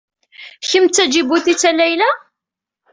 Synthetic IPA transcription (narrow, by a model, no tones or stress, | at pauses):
çəmt͡sːæd͡ʒibuθit͡sːælæjlæ